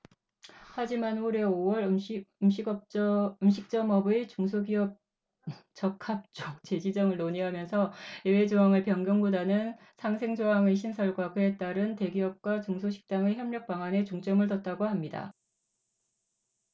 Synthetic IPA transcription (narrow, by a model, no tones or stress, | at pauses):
had͡ʑimanoɾe̞owʌɾɯmɕʰiɡʌt͡ɕɯmɕʰik̚t͡ɕ͈ʌmʌbɯt͡ɕuŋsʰoɡiʌp̚ | t͡ɕ͈ʌkʰap̚t͡ɕ͈ok̚t͡ɕ͈e̞d͡ʑid͡ʑʌŋɯɭnoɲiɦamjʌnsʰʌewe̞d͡ʑoɦaŋɯɭpjʌŋɡjʌŋɡudanɯn | sʰaŋsʰe̞ŋd͡ʑoɦaŋeɕʰinsʰʌɭɡwakɯet͈aɾɯnte̞ɡiʌp̚k͈wat͡ɕuŋsʰoɕʰi̥k̚t͈aŋeçjʌmɲʌk̚p͈aŋwane̞t͡ɕuŋt͡ɕ͈ʌmɯɭtʌt̚t͈aɡohamɲida̰